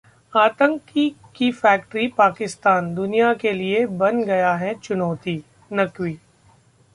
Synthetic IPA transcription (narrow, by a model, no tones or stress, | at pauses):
aːt̪ə̃ŋki | kifɛːk̚ʈɾipaːkɪst̪aːnd̪ʊnijakeliebɐnɡɐjaɦɛt͡ʃʊnɔːt̪iː | nɐkwiː